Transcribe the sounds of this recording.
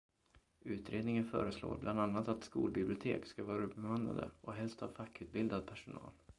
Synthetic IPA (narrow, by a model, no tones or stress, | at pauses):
ʉ̟ːt̪ɾeːd̪nɪŋənfœ̰ːɾəslo̰ːɾbland̪anːat̪at̪skṵːlbɪblɪʊt̪ʰḛːkskavɑːɾabɛmana̰d̪ə̰ʔɔɦɛlst̪havfakːʉ̟ːt̪̚bɪld̪ad̪̚pʰæʂʊnɑ̰ːl